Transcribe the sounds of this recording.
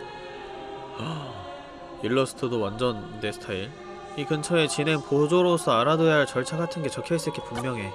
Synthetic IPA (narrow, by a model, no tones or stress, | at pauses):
ʌ | iɭːʌsʰɯ̥tʰɯdowand͡ʑʌnde̞sʰɯ̥tʰaiɭ | ikɯnt͡ɕʰʌe̞t͡ɕine̞npod͡ʑoɾosʰʌaɾadojaɦaɭt͡ɕʌɭt͡ɕʰaɡatʰɯnɡe̞t͡ɕʌkʰies͈ɯik͈epummjʌŋɦe̞